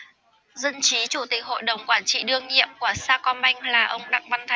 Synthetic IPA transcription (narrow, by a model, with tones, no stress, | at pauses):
zə˧nt͡ɕi˨˦t͡ɕu˧˩t̪ï˨˩k̚ho̰˧˨jɗə˨˩wŋ͡mkwaː˧˩nt͡ɕḭ˧˨ɗɨ˧əŋɲḭ˧˨əmku˧˩əsaː˧kɔ˧nɓa˧jŋ̟laː˨˩ʔə˧wŋ͡mɗa̰˧˨ŋɓa˧nt̪ʰa˨˦